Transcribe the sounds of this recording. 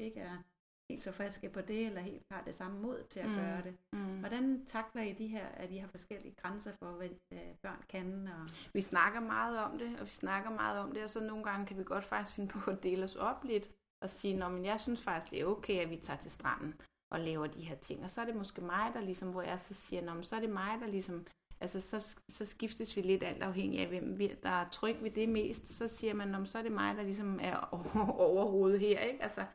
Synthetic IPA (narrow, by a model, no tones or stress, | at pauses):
ʋie̝ɡ̥əæɐ | he̝̰ːld̥sɒ̽fʁɛsɡ̥əpʰɒ̽d̥e̝elɐɦe̝̰ːld̥hɑ̈d̥e̝sɑ̈məmo̝ð̰ˠt͡sʰe̝læɡ̥ɶːɐɾ̥e̝ʋɒɾ̥ænt͡sʰɑ̈ɡ̥lɐid̥iɦeɐ̰æiɦɑ̈fɒ̽sɡ̥el̰iəɡ̥ʁansɐfɒ̽ʋenb̥ɶɐ̰nkʰænɒ̽ʋisnɑ̈ɡ̥ɐmɑ̈ːð̞̩ˠɒ̽md̥e̝ɒ̽ʋisnɑ̈ɡ̥ɐmɑ̈ːð̞̩ˠɒ̽md̥e̝ɒ̽sɒ̽no̝ːn̩ɡ̥ɑ̈ŋəkʰæʋiɡ̥ɒ̽d̥fɑ̈ɡ̥̚d̥isfe̝nəpʰɒ̽ɒd̥e̝̰ːləɒ̽sɒ̽b̥lid̥ | ʔɒ̽siːnɒmenjɑ̈ɪsynsfɑ̈ɡ̥isd̥e̝æɐoʊkʰeɪæʋit͡sʰɑ̈ːt͡sʰe̝lsd̥ʁɑn̰n̩ | ʔɒ̽lɛːʊɐd̥ihe̝ɐt͡sʰe̝ŋ̰ɒ̽sɒ̽æɐɾ̥e̝mɒ̽sɡ̥e̝mɑ̈ɪd̥ɑ̈lisɒ̽mʋɒjɑ̈sɒsiːɐnɒmnsɒ̽æɐɾ̥e̝mɑ̈ɪd̥ɑ̈lisɒ̽m | ʔælsəsɒ̽sɒ̽sɡ̥ifd̥əsʋile̝d̥æl̰d̥ɑ̈ʊɦeŋ̰iæʋem̰ʋid̥ɑ̈ɐt͡sʰʁœɡ̥ʋe̝d̥e̝me̝̰ːsd̥sɒ̽siːɐmænːɒmnsɒ̽ɐd̥e̝mɑ̈ɪd̥ɑ̈lis̬ɒ̽mæɐɒɒʊɐho̝ːð̞̩ˠɦeɐ̰e̝ɡ̥ælsɐ